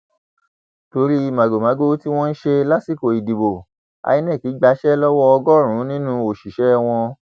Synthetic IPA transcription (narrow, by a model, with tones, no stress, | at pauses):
to˧˦ɾi˦i˧mã˨ɡo˨mã˨˦ɡo˦ti˦w̃ɔ̃˦n̩˦ʃe˧la˦si˦˨ko˨i˨di˨bo˨ | a̰˧i˧nɛ̃˦˨ki˨˦ɡ͡ba˨˧˦ʃɛ˦lɔ˦wɔ˦ɔ˧ɡɔ˦˨ɾ̃ũ˨˦nĩ˦nũ˦o˨ʃi˨ʃɛ˦˧w̃ɔ̃˧